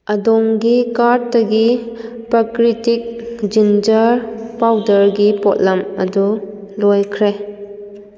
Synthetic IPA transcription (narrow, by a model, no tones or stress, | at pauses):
ɐdɔŋɡikaɾtɐɡi | pɾakɾitik̚d͡ʒind͡ʒɐɾpawdɐɾɡipɔt̚lɐmɐ̰du | lɔjkʰɾe